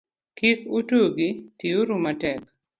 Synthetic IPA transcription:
kikutoɡitioɾumatɛk

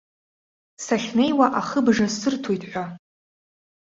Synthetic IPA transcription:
saχʲne̞jwaʔaχəbʐasɨrtʰojtʼħʷa

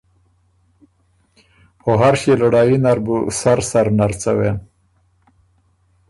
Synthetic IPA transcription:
xoɦaɾʃelʊɽɑjinaɾbusaɾsaɾnaɾt͡sawen

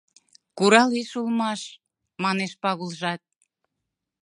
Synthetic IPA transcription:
kuɾɑliʃulmɑʃ | mɑneʃpɑɣulʒɑt̪̚

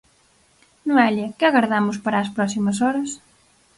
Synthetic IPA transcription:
noɛljɐkɪɐɣaɾðamʊspaɾaːspɾɔsimɐsɔɾɐs

